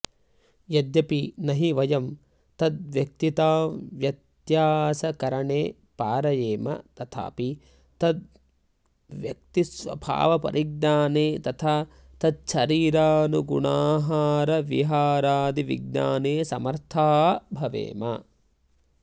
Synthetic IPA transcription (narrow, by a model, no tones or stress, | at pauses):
jɐd̪jɐpinɐɦiʋɐjɐm | t̪ɐd̪ʋjɐk̚t̪it̪aːʋjɐt̪jaːsɐkɐɾɐɳeː | paːɾɐjeːmɐ̰t̪ɐt̪ʰa̰ːpi | t̪ɐd̪̚ | ʋjɐk̚t̪isʋɐ̰bʱa̰ːʋɐpɐ̰ɾʔiɡ̚naːneːt̪ɐt̪ʰaː | t̪ɐd̪̚ʃɐɾiːɾaːnuɡṵɳaːɦaːɾɐʋiɦaːɾaːd̪iʋḭɡ̚na̰ːneːsɐmɐɾt̪ʰaːbʱɐʋḛːmɐ̰